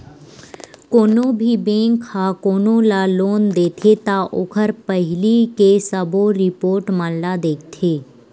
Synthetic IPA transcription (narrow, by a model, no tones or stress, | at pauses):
koːnõbʱibẽːŋkʰːakoːnõlaloːnd̪eːt̪ʰet̪aʔokʰəɾpəɦɪlikesəboɾɪpoːɾʈmənlad̪eːk̚ʰt̪ʰeː